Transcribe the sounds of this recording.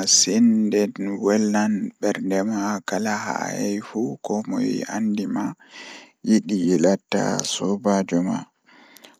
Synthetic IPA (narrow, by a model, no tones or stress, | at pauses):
sindɛnwɛlːanɓɛɾndɛmakalaha̰jɛjfukɔmɔ̰jḭa̰ndima | jiɗijilatːa̰sɔbad͡ʒɔma̰